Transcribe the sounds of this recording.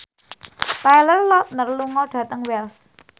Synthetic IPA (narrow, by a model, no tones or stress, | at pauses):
tajlərlɔt̪̚nərluŋɔɖ̥ä̤t̪əŋwɛls